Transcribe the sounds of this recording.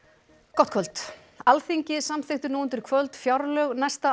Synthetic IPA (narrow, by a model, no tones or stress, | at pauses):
kɔwt̪kʰvœlt̪ | alθiɲcɪsamθɪxt̪ʏɪnuːʏnt̪ɪɾ̥kʰvœlt̪fjawɾlœɣnɛst̪a